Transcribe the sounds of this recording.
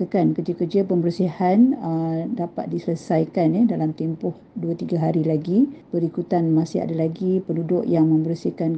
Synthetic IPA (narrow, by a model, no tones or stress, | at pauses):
əkankərd͡ʒakərd͡ʒapəmbəɾsihanədapa̰t̪̚disələsajkanədalamt̪empʊh | duat̪iɡaɦaɾilaɡib̥əɾikut̪anmãsia̰dalaɡipənudʊʔjaŋmə̃mbəɾsihkan